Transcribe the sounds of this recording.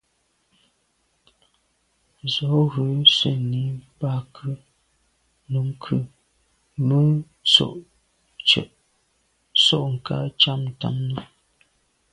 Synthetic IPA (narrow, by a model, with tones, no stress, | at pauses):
zɔ˨˦ɣə˨˦sə˨ni˨˦pa˦˨kʰɨ˦ | nu˨˦ŋ˦kʰɨ˦ | mə˦ | so̰˦˨ʔ | t͡ʃə̰˨ʔ | sɔ˦˨ʔŋ̩˨ka̰˦t͡ʃa˦mn˨ta̰˦mnu˦